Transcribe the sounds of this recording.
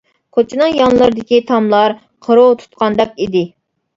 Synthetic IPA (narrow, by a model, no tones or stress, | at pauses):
qʰot͡ʃʰnɨŋjɑnlˠəɾɨd̪ɪkʲit̪ʰɑmlˠɑɾ | qʰəɾot̪ʰu̥t̪̚qɑnd̪ɛk̚ʲid̪ɪ